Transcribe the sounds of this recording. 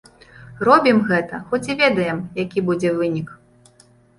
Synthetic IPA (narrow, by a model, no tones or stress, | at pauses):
rɔbʲimɣɛt̪ɐxɔt͡sʲivʲɛd̪ɐjɛmjakʲibud͡zʲɛvɨnʲik